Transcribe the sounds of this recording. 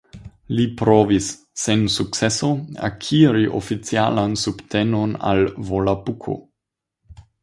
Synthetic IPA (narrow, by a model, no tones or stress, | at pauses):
lipɾovisː | ensuk̚t͡seso̞a̰kʰiɾiʔo̰fit͡sialansubtʰenona̰lvolapukʰo̰